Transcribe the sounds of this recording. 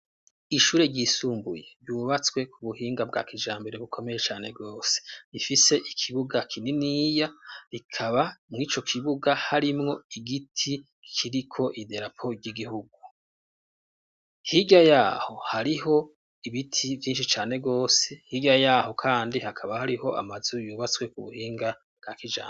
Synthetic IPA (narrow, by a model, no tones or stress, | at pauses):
iʃuːɾe̞ɟɟisuːmbuje̞ɾɟuːβat͡swe̞kʰuβuhiːŋɡab̚ɡa̰ːkiʒaːmbe̞ɾe̞βukʰo̞me̞je̞t͡ʃaːne̞ɡo̞ːse̥ifise̞ʔikʰiβuɡakʰininijaɾikʰaβamŋiːt͡ʃo̞kʰiβuɡahaɾimŋo̞iɡitʰi | kʰiɾikʰo̞ʔide̞ɾapʰo̞ɟiɡihuɡu | hiɟajaːho̞haɾiɦo̞ | iβitʰivjiːnʃit͡ʃaːne̞ɡo̞ːse̞hiɟajaːho̞kʰaːndihakʰaβahaɾiho̞ʔa̰mazujuːβat͡swe̞kuβuhiːŋɡa | b̚ɡ̥aːkiʒa̰ː